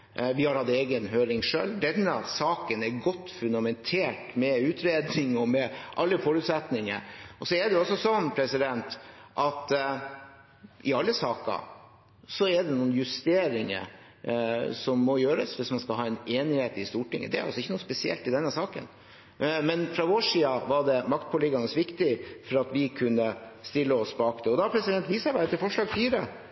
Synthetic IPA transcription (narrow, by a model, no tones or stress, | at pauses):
ʋɪhɑɾhɑd̪eːɡənɦøːɾɪŋʂø̰ːld̪ɛnːəsɑːkənɛɾɡɔt̪ːfʉnd̪ɑmɛnt̪ʰeːʈmɛʉːt̪ʰɾeːd̪nɪŋɔmɛʔɑlːəfɔɾʉːt̪sɛt̪nɪŋə̰ɾʔɔsɔɛɖ̪ɛɔsːɔsɔnːpʰɾɛsɪd̪ɛnt̪ʔɑt̪ | ʔɪɑlːəsɑːkɑ̰ | sɔɛɖ̪ɛnuːnjʉst̪eːɾɪŋə̰ | sɔmːɔjøːɾəsʋɪsmɑnskɑlɦɑːɛneːnɪheːt̪ɪst̪uːʈɪŋːə̰d̪ɛæ̰ɾɑ̰lsɔɪçːənuːspɛsɪɛ̰lt̪ɪd̪ɛnːəsɑːkə̰n | mɛnfɾɑʋoːʂiːɑʋɑɖɛmɑkt̪̚pʰɔlɪɡɑnəsʋɪkt̪ɪfɔɾɑt̪ʋɪkʰʉnːəst̪ɪlːəɔsbɑːkd̪ɛɔd̪ɑpʰɾɛsɪd̪ɛnt̪ʋiːsəbæːɾət̪ʰɪlfɔʂɭɑːɡfyːɾə